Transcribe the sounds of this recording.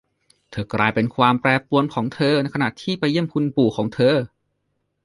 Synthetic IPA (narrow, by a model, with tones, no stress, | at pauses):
t̪ʰɤː˧klaː˧jpe˧nkʰwaː˧mpɾɛː˧pu˧ənkʰɔː˩˦ŋt̪ʰɤː˧na˧˥jkʰa˧na˨˩ʔt̪ʰiː˥˩pa˧ji˥˩əmkʰu˧npuː˨˩kʰɔː˩˦ŋt̪ʰɤː˧